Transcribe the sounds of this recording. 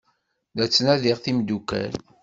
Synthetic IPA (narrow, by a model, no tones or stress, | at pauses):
ðæt͡sːnæðiʁθimd̪ukːæ̰l